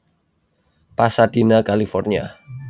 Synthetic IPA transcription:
pasad̪̥inakalifɔrnia̰

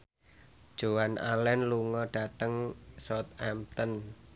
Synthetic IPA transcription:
d̥ʒ̥o̤wanʔa̰lɛnluŋɔɖ̥a̤t̪əŋsɔt̪ɛmt̪ən

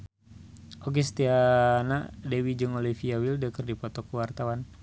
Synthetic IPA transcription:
ʔok̬esə̥t̪ianadewid͡ʒəŋolifiawildəkərdipɔt̪ɔkəwart̪awan

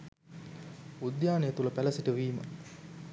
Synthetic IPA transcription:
ud̪jaːnejet̪uləpælɐsiʈəʋiːmə̰

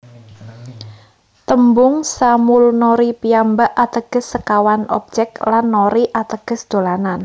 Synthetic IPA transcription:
t̪əmbʊŋsamʊlnɔɾipiambaʔat̪əɡ̥ə̤sːəkawanɔ̰b̚d͡ʒɛk̚klanːoɾiʔat̪əɡ̥ə̤sd̪̥o̤lanan

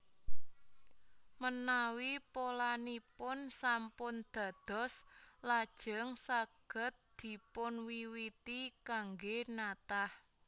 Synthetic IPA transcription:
mənawipolanipʊnsampʊnd̪̥ä̤d̪̥ɔ̤slad̥ʒ̥ə̤ŋsaɡ̥ə̤t̪̚d̪̥i̤pʊnwiwit̪ikaŋɡenat̪ah

